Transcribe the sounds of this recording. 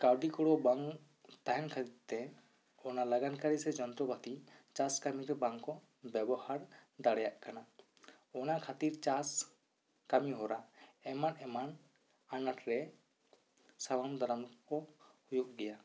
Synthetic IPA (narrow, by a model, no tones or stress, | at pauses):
kawɖikɔɽɔbaŋ | t̪aɦɛnkʰat̪iɾt̪ɛ | ɔnalaɡankaɾisɛd͡ʒɔnt̪ɾɔbat̪it͡ʃaskamiɾɔbaŋkɔ | bɛbɔhaɾd̪aɽɛjaʔkana | ɔnakʰat̪iɾt͡ʃas | kamiɦɔɾaɛmanɛman | anaʈɾɛ | sabamd̪ʱaɾamkɔhujuʔɡɛja